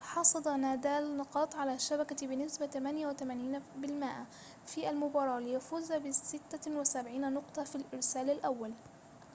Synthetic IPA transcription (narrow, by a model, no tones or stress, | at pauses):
ħɑsˤɑd̪ˤɑnaːd̪aːlnɑqɑːt̪ˤʕalaːʃːabakabɪnɪsbat̪amanjawɪt̪amaːniːnabɪlmɪːʔa | fiːʔalmʊbɑːɾˤɑːlɪjafuːzabɪsɪt̪ːawɪsabʕiːnanʊqt̪ˤɑfilʔɪɾsaːlalʔawːal